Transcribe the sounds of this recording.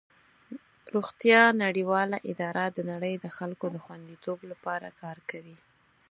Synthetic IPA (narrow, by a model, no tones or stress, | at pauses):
ɾuɣt̪jɑnaɽiwɑlaʔɪd̪ɑɾad̪ənaɽəjd̪əxalkod̪əxwand̪it̪oblapɑɾa̰kɑɾkawi